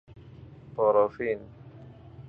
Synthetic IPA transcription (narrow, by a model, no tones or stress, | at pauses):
pɔɾɔfin